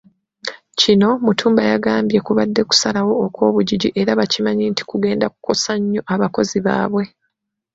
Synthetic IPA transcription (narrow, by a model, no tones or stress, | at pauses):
cino̞mutʰuːmbajaɡaːmbje̞kuβadːe̞ku̥salawo̞ːkwo̞ːβuɟiɟiʔe̞ɾaβacimaɲiːnti̥kuɡe̞ːndak̚u̥ko̞saɲːo̞ʔaβako̞ziβa̰ːβwe̞